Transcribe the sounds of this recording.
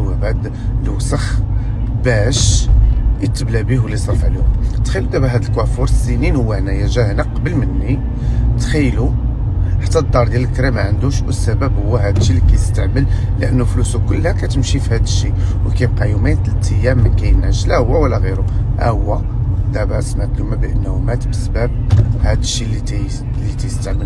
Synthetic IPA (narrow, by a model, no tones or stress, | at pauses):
wæbæd̪ | lwsəx | bæʃ | jət̪ːəblæbihwəlːisˤɑɾfʕlihʊmt̪xæjlud̪æbæɦæd̪əlkwæfuɾsininhʊwːæhnæjæʒæhnæqɑbəlmənːi | t̪xæjːlu | ħat̪ːæd̪ˤːɑɾˤd̪jæləlkɾimæʕənd̪uʃwəsːæbæbhʊwːæɦæd̪əʃːilikæjt̪st̪aʕməl | ləʔənːuflusukʊlːhækæt̪əmʃifihæd̪əʃːiwkæqæjumæt̪lt̪ʰəjːæmːækæjənæʃlæhʊwːæwəlːæɣiɾuhæ̰hʊwːæd̪æbæʕsmækːəmæbʔənːhumæt̪bəsbæb̚hæd̪əʃːilːi | lːit̪æjəst̪əʕməl